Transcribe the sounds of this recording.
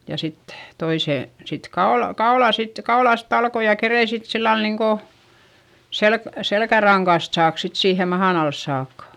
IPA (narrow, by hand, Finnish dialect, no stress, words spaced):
jɑ sit toiseˑ sit kɑol kɑolɑˑ sit kɑolɑˑst ɑlkoj jɑ kerein sit silːɑl niŋko selk selkærɑŋkɑst sɑːk sit siːhe mɑhɑn ɑls sɑːkːɑ